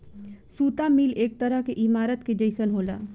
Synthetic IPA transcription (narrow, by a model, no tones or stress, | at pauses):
sut̪amilek̚t̪əɾəɦkeʔimaɾət̪ked͡ʒəɪsənɦola̰